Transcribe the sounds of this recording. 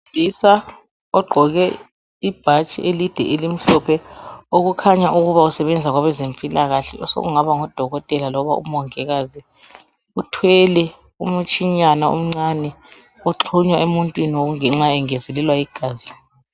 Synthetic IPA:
isa | ɔɡ͡ǃʱɔɣɛ | ib̥ʱat͡ʃʼḭʔelid̥ʱɛ̰ʔelim̩ɬɔpʰɛoɣukʰaɲaʔuɣuβausɛβɛnd͡zʱaɣwaβɛzempʼilaɣaɬɛ̰ʔɔso̰ɣuŋaβaŋɔd̥ʱɔɣɔtʼɛlalɔβaṵmɔŋɛɣazi | utʰwɛlɛ | umut͡ʃʰʼiɲanaṵm̩ŋ͡ǀanɛ | oǁʰuɲwaemuntʼwinioɣuŋɛŋ͡ǁaɛŋɛzɛlɛlwaiɡ̥ʱaːzi

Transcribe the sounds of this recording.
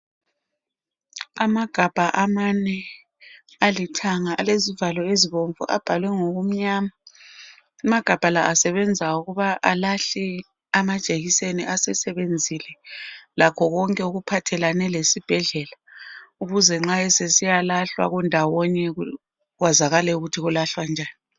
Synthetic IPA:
amaɡ̥ʱab̥ʱaʔamanɛ | alitʰaŋaalezivalɔeziβoɱvṵʔa̰b̥ʱalwɛŋoɣum̩ɲaːma | umaɡ̥ʱab̥ʱalaʔasɛβɛnd͡zʱauɣuβaʔalaɬɛ | amad̥ʒ̥ʱeɣiseniʔasɛsɛβend͡zʱilɛlakʰɔɣɔŋkʼɛuɣupʰatʰɛlanɛlesib̥ʱɛɮɛːlauɣuzɛŋ͡ǁaɛsesijalaɬwa̰ɣundʱawɔɲɛu | ɣwazaɣalɛuɣutʰiɣulaɬwand͡ʒʱaːni

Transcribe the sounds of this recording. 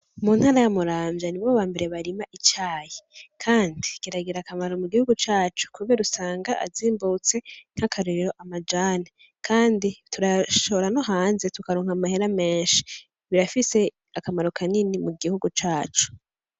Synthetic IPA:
munhaːɾajamuɾaːmɟjaniβoβaːmbe̞ɾe̞βaɾimaʔit͡ʃaːjekʰaːndikiɾaɡiɾakamaɾo̞muɡihuɡut͡ʃaːt͡ʃu̥kʰuβeɾusaːŋɡaʔa̰ziːmbut͡se̞n̥hakʰaɾeɾiɾo̞ʔamad͡ʒaːna | kʰaːnditʰuɾaʃooɾano̞ɦaːnzetukaɾoːŋhamaheɾame̞ːnʃi̥ | βiɾafise̞ | akamaɾo̞kʰaninimuɡihuɡut͡ʃaːt͡ʃu̥

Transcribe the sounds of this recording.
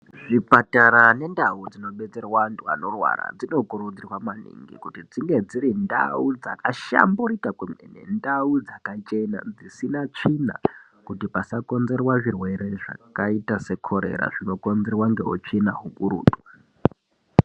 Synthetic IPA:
ʐipataɾane̞ndaud͡zino̞ɓe̞t͡serwantua̰no̞rwa̰ɾa̰d͡zino̞koɾud͡zirwamanḭŋɡḭkutid͡ziŋɡe̞d͡ziɾinda̰ud͡za̰kaʃa̰mburikakwemenḛndaud͡zakat͡ʃe̞na̰d͡zisinat͡ʂina̰ | kutipasako̞nze̞rwaʐirwe̞ɾe̞ʐa̰kaitase̞kʰo̞ɾe̞̰ɾa̰ʐino̞ko̞nzerwaŋɡe̞ut͡ʃienaɦuɓuɾṵːta

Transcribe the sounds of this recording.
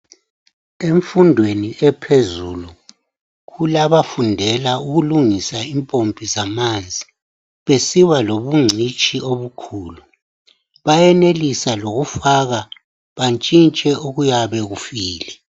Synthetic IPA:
eɱfundʱweniʔɛpʰezuːlu | ɣulaβafundʱɛlauɣuluŋisaimpʼompʼizamand͡zʱi | βesiwaloβuŋ͡ǀʱit͡ʃʼioβukʰuːlu | βajɛnelisaloɣufaɣa | βant͡ʃʼint͡ʃʼɛʔuɣujaβɛɣufiːlɛ

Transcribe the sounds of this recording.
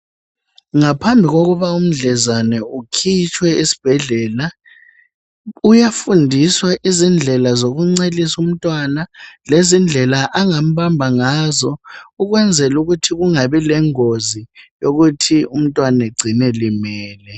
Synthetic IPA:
ŋapʰambʱiɣoɣuβaum̩ɮɛzanɛukʰit͡ʃʰʼwɛisi̥b̥ʱɛɮɛːla | ujafundʱiswaʔizind͡ɮʱɛlazoɣuŋ͡ǀelisum̩tʼwanalezind͡ɮʱɛlaʔaŋam̩bambʱaŋaːzɔuɣwɛnd͡zʱɛluɣutʰiɣuŋaβɛlɛŋozijoɣutʰium̩tʼwaneɡ͡ǀʱinɛlimɛːlɛ

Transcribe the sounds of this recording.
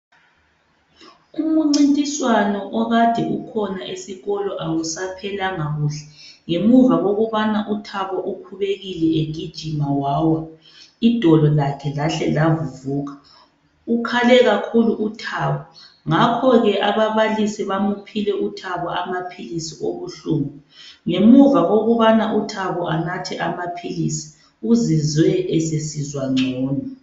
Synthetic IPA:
umuŋ͡ǀintʼiswanɔʔɔɣad̥ʱiukʰɔnaʔesiɣɔlɔʔawusapʰɛlaŋaɣuɬɛ̥ŋemuvaɣoɣuβanaʔutʰaβɔʔukʰuβeɣilɛeŋid̥ʒ̥ʱimawawa | id̥ʱɔlɔlakʰɛlaɬɛlavuvuːɣa | ukʰalɛɣakʰuluutʰaːβɔ | ŋakʰɔɣɛʔaβaβalisiβamupʰilɛʔutʰaβaamapʰilisiʔoβuɬuːmu | ŋemuvaɣoɣuβanaʔutʰaβɔʔanatʰɛʔamapʰilisi̥ | uzizwɛʔɛsesizwaŋ͡ǀʱɔːnɔ

